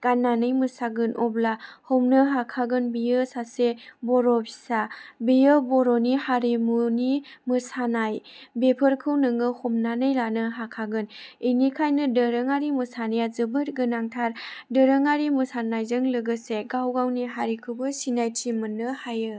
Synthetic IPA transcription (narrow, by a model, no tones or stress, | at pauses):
ɡ̥anːanɯjmɯsaɡɯnʔɔblahomnɯɦakʰaɡɯnbijɯsasebɔɾɔpʰi̥sabijɯbɔɾɔnihaɾimunimɯsanajbepʰɯɾkʰɯwnɯŋɯhomnanɯjɾanɯɦakʰaɡɯninikʰajnɯdəɾɯŋaɾimɯsanajazɯbɯɾ̚ɡɯnaŋtʰaɾdɯɾəŋaɾimɯsanajzɯŋlɯɡɯseɡawɡawniɦaɾikʰɯbɯsinajtʰimɯnːɯhajɯ